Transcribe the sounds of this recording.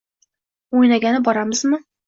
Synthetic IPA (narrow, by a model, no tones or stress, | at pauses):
ojnaɡʲanɪbɒɾamɪzmɪ